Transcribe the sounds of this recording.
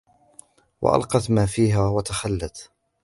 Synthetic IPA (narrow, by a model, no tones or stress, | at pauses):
wa̰ʔa̰lqɑt̪maːfiːɦaːwat̪axalːat̪